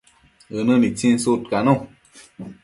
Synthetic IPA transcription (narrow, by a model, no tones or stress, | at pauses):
ɨnɨ̃nit͡sĩnsut̪̚kanũ